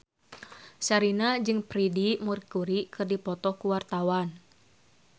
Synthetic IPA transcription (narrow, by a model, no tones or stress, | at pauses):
saɾinad͡ʒɨŋpɾidimurkuɾikɨrdipɔt̪ɔkuwart̪awan